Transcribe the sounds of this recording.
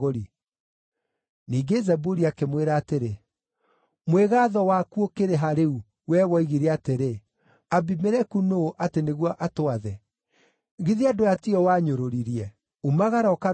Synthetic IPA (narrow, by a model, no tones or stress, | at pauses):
oɾi | niːɡezɛbuɾiakemweɾaːteɾe | mweɣaðɔwakuokeɾeɦaɾeu | wɛwɔiɣiɾeateɾe | abimeɾɛkunoːʔateneɣwɔʔatoaðɛ | ɣiðiadojatiɔwaɲoɾoɾiɾiɛ | omaɣaɾɔka